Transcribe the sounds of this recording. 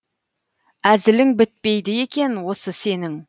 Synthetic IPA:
æzɪlɪŋbɪt̪̚pe̞jd̪ɪje̞kʲe̞nwo̞səse̞nɪŋ

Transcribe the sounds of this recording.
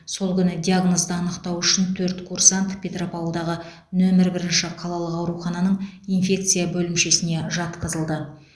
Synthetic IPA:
so̞lˠkʲʰʏnɪd̪ʲiaɡno̞sd̪əɑnəqt̪ɑwʏʃɪnt̪ʰɵɾt̪kʰursant̪pʲʰe̞t̪ropawlˠd̪ɑʁə | nɵmɪɾbɪɾɪnʃɪqʰɑlˠɑlˠəqɑwɾuχɑnɑnəɴinfʲe̞k̚t̪sɨjabɵlɪmʃe̞sɪne̞ʒɑt̪qəzəlˠd̪ə

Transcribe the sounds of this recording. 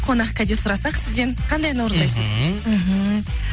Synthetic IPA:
qʰo̞nɑqkʲɑd̪esʊɾɑsɑqsɪzd̪enqʰɑnd̪ɑjɑnwo̞ɾənd̪ɑjsəzm̩ɦ̩

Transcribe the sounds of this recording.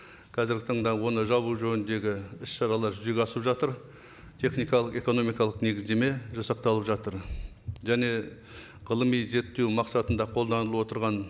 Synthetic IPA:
qʰɑzɪɾɡʲɪt̪ʰɑɴd̪ɑwo̞nəʒɑβuʒɵnɪnd̪e̞ɡʲɪɪsʃɑɾɑlˠɑɾʒʏze̞ɡʲɑsəpʒɑt̪əɾ | t̪ʰe̞χnijkɑlˠəqe̞ko̞no̞mijkɑlˠəqne̞ɡʲɪzd̪e̞me̞ʒɑsɑq̚t̪ɑlˠəpʒɑt̪əɾ | ʒæne̞ | ʁəlˠəmijze̞t̪ːe̞wmɑqsɑt̪ənd̪ɑqʰo̞lˠd̪ɑnəlˠəwo̞t̪əɾʁɑn

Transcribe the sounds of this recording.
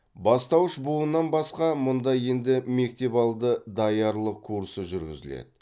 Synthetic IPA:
bɑst̪ɑwəʃbuənːɑnbɑsqɑmʊnd̪ɑje̞nd̪ɪme̞k̚t̪e̞pɑlˠd̪əd̪ɑjɑɾlˠəqkʰuɾsəʒʏɾɡʲɪ̰zɪ̰lḛd̪ɪ

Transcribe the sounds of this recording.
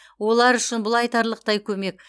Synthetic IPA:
wo̞lˠɑɾʏʃɪnbʊlˠɑjt̪ɑɾlˠəq̚t̪ɑjkʲʰɵme̞k̚

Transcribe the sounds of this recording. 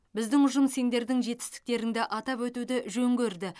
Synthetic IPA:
bɪzd̪ɪŋʊʒəmse̞nd̪e̞ɾd̪ɪŋʒe̞t̪ɪ̥st̪ɪ̥k̚t̪e̞ɾɪŋd̪ɪʔɑt̪ɑpwɵt̪ud̪ɪʒɵŋɡʲɵɾd̪ɪ

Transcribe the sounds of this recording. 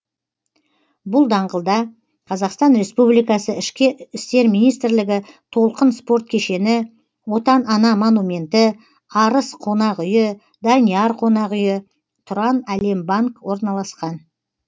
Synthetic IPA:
bʊlˠd̪ɑɴʁəlˠd̪ɑ | qʰɑzɑqst̪ɑnɾe̞spublijkɑsəɪʃkʲɪʏst̪e̞ɾmijnijst̪ɾlɪɡʲɪt̪ʰo̞lˠqənspo̞ɾt̪̚kʲʰe̞ʃe̞nɪ | wo̞t̪ɑnɑnɑmonumʲe̞nt̪ɪ | ɑɾəsqʰo̞nɑqʏjɪ | d̪ɑniɑɾqʰo̞nɑqʏjɪ | t̪ʰʊɾɑnæle̞mbaŋkwo̞ɾnɑlˠɑsqɑn

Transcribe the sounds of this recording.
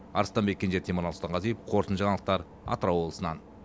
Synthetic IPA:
ɑɾəst̪ɑnbekʲʰːenet̪ʰemoɾɑlˠst̪ɑɴʁɑzijep̚qʰo̞ɾt̪ənʒɑɴɑlˠəq̚t̪ɑɾ | ɑ̰t̪əɾɑwo̞blˠəsənɑ̰n

